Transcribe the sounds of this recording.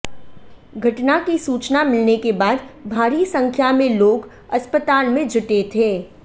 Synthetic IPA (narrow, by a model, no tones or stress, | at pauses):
ɡʱɐʈnakisuːt͡ʃnamɪlnekebaːd̪bʱaːɾisɐ̃ŋkʰjamẽloːɡ | ɐspət̪aːlmẽd͡ʒʊʈet̪ʰeː